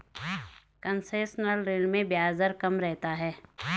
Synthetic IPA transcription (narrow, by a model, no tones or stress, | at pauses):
kə̃nseːsnəlɾeːlmẽbjaːzəɾkɐmɾɛɦt̪aɦɛː